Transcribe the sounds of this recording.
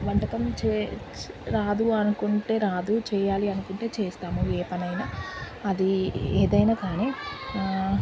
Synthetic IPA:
ʋɐɳʈɐkɐmt͡ʃe | ɾaːd̪uɐnukuɳʈe̞ːɾaːd̪ut͡ʃɛːjaːliɐnukuɳʈe̞ːt͡ʃeːst̪aːmueːpɐnɐjnaː | ɐd̪ieːd̪ɐjnaːkaːniː

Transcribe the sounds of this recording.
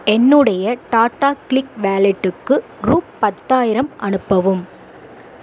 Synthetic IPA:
ɛnːɯɽɐjɐʈaːʈːaːklɪkʋaːlɛʈːɯkːɯ | ɾuːppːɐt̪ːaːjɪɾɐmʔɐnɯpːɐʋɯm

